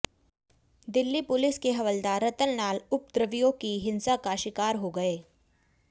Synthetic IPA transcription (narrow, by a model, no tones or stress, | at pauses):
d̪ɪlːipʊlɪskeɦɐʋəld̪aɾɐt̪əlnaːlʊp̚d̪ɾəʋijõkiɦɪ̃nsakaʃɪkaːɾɦoɡɐeː